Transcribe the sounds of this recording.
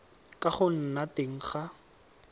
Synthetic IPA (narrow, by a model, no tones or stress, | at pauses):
kʼaχʊn̩nateŋ̩χa